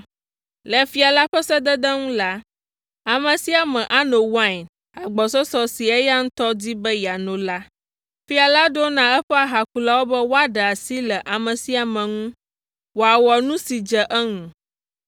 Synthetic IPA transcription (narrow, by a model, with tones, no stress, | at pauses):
lɛ˨fi˦a˨la˦ɸɛ˦sɛ˦d̪ɛ˦d̪ɛ˦ŋũ˦la˦ | a˨mɛ̃˨si˦a˨mɛ̃˨ʔa˦no˨wã˦i˨n | a˨ɡ͡bɔ˨sɔ˦sɔ˦si˨ɛ˦ja˦ŋ̩̃˦t̪ɔ˦d͡ʑi˦bɛ˦ja˨nõ˨la˦ | fi˦a˨la˦ɖo˦nã˦ɛ˦ɸɛ˦a˨ɦa˨ku˦la˦wo˦bɛ˦wo˦a˦ɖə˨a˨si˦lɛ˨ʔa˨mɛ̃˨si˦a˨mɛ̃˨ŋũ˦ | wo˨a˨wɔ˨nũ˦si˨d͡ʒə˨ʔɛ˦ŋũ˨